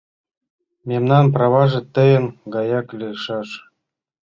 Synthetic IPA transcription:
mʲemnɑnprɑβɑʒɤ̆t̪ɘ̆jə̆nɡɑjɑklʲeʃɑʃ

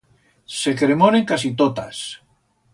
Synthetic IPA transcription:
sekɾemoneŋkas̬it̪ot̪as

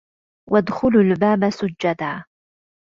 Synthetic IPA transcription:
wʔad̪xʊlʊlbaːbasʊd͡ʒːad̪aː

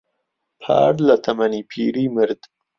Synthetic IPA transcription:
pʰɑ̰ːɽlat̪ʰamanipʰiɾimɪɾd̪

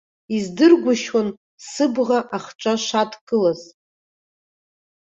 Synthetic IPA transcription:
izdɨrɡʷʊʃwan | sɨbʁaʔaχʈ͡ʂʷʼaʃatʰkʼɨlaz̥

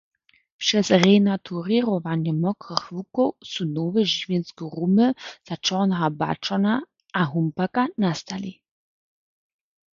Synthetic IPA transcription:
pʃɛsʁɛnatʰuʁiʁɔʋanjəmɔkʁəxvukosunoːvəʒivjɛnskəʁuməz̥at͡ʃɔnɦaba̰t͡ʃɔna | aɦumpakanast̪alḭ

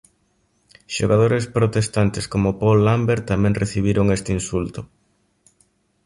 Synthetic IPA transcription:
ʃoɣaðoɾespɾot̪est̪ant̪eskomʊpolːambeɾt̪ːamɛ̃ŋreθiβ̞iɾʊŋest̪einsult̪ʊ

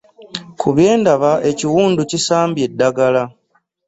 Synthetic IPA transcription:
kʰuβje̞ːndaβaʔe̞ciwuːnducisaːmbje̞dːaɡala

